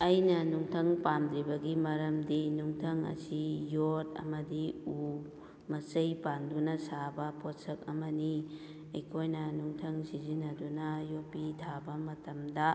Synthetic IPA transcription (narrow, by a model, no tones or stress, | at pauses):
ɐjnɐnuŋtʰɐŋpandɾibɐɡimɐɾɐmdinuŋtʰɐŋɐ̰sijotɐ̰mɐdiu | mɐt͡ʃɐjpandunɐsabɐpʰosɐk̚ɐmɐni | ɐjkʰojnɐnuŋtʰɐŋsizinːɐdunɐjopitʰabɐmɐtɐmdɐ